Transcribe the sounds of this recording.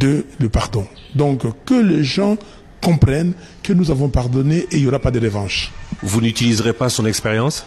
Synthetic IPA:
d̪ələpaʁd̪ɔ̃ | d̪ɔ̃kkəleʒɑ̃ | kɔ̃pχɛn | kənuzavɔ̃paʁd̪ɔneʔeiljɔɾapad̪əʁəvɑ̃ʃvunyt̪ilizʁepasɔ̃nɛkspeʁjɑ̃s

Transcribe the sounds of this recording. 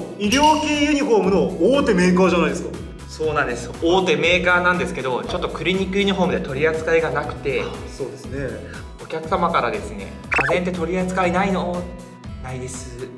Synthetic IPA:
iɾʲo̞ːke̞ːjɯ̟ɲ̟iɸo̞ːmɯ̟no̞oːt̪e̞me̞ːkaːʑanaid̪esɨka | so̞ːnãnd̪e̞sɨ̥oːt̪e̞me̞ːkaːnãnd̪e̞sɨ̥ke̞d̪o̞t͡ɕo̞t̪ːokɯ̟ɾʲiɲ̟ikɯ̟ɾiɲiɦo̞ːmɯ̟d̪et̪o̞ɾʲiat͡sɨ̥kaiɡanakɯ̟̥t̪e̞so̞ːd̪esɨne̞ | o̞kʲakɯ̟̥samakaɾad̪e̞sɨne̞̰kʰãnzent̪̬e̞t̪o̞ɾʲiat͡sɨ̥kainaino | naid̪e̞sɨ

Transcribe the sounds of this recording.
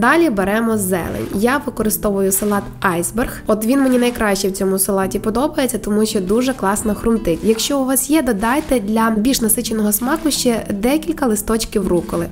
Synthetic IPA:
d̪ɑlʲibeɾɛmɔzːɛ̰lˠḛnʲjaʋɪkɔɾɪst̪ɔʋʊjʊsɐlˠɑt̪ɑjzberxɔt̪ʋʲinmenʲinɐjkɾɑʃt͡ʃɛwt͡sʲɔmʊsɐlˠɑtʲipɔd̪ɔbɐjet͡sʲːɐt̪ɔmuʃt͡ʃɔd̪uʒɛklˠɑsnɐxɾʊmt̪ɪkʲjɐkʃt͡ʃɔʊʋɑsjɛd̪ɔd̪ɑjt̪ɛd̪ʲlʲɐbʲiʃnɐsɪt͡ʃenɔɦɔsmɑkʊʃt͡ʃɛd̪ɛkʲilʲkɐlˠɪst̪ɔt͡ʃkʲiwrukɔlˠɪ

